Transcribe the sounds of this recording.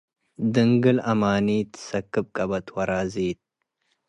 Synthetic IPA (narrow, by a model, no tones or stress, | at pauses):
d̪ɨŋɡɨlɐmaːniːt̪ʰɨ̥sɐkːɨb̚kʼɐbɐt̪ʰwɐɾaːziːt̪̚